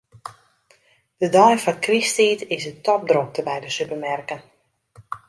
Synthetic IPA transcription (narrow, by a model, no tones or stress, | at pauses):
d̥ədɔjfɔnkristiːtɪsətɔp̚drok̚təbɛjdəsypəmɛrkən